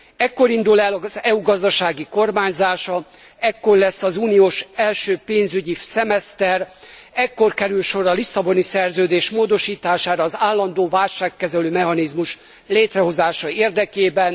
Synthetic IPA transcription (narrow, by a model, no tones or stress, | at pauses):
ɛkːo̞ɾind̪ulɛlɒzɛuɡɒzd̪ɒʃaːɡiko̞rmaːɲzaːʃɒ | ɛkːo̞rlɛsːɒzuːnioːʃɛlʃøːpeːnzyɟisɛmɛst̪ɛrɛkːo̞rkɛɾylʃo̞ɾɒlisːɒbo̞nisɛrzøːd̪eːʃmoːd̪o̞ʃiːt̪aːʃaːɾɒːzaːlːɒnd̪oːvaːlʃaːkːɛzɛløːmɛɦɒnizmuʃ | leːt̪rɛɦo̞zaːʃɒeːrd̪ɛkeːbɛn